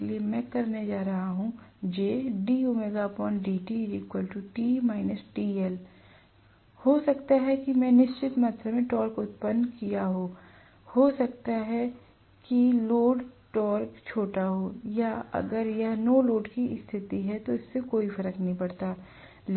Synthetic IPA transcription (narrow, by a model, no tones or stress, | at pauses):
liemɛ̃kɐɾned͡ʒaːɾɐɦaɦũd͡ʒeːɖiːumeːɡapɔːɳʈɖiːʈiɪziːkwəlʈuʈiːmaːɪnəsʈiːɛl | hoːsɐkt̪aɦɛkimɛ̃ːnɪʃt͡ʃɪt̪mət̪ʰɾəmẽʈɔːɾkʊt̪̚pənːkijaɦoː | hoːsɐkt̪aɦɛ | kiloːɖʈɔːɾkt͡ʃʰoːʈaɦoːjaɐ̰ɡəɾjɐɦnoːloːɖkiɪst̪ʰɪt̪iɦɛt̪oɪsːekoːifɐɾəknɐɦĩpɐɽt̪a | l